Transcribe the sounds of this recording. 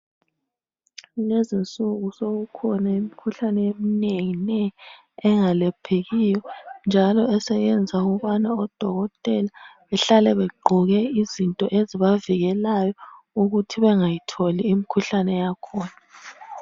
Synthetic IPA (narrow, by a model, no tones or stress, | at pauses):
lezint͡sʼuɣusoɣukʰɔnaim̩ikʰuɬanɛem̩neŋinɛ | ɛŋalɛpʰeɣijɔnd͡ʒʱalɔɛsɛjɛnd͡zʱauɣuβanaɔd̥ʱɔɣɔtʼɛlaβɛɬalɛβɛɡ͡ǃʱɔɣɛizintʼɔʔeziβaviɣɛlajɔ | uɣutʰiβɛŋajitʰoliːmikʰuɬanɛjakʰɔːna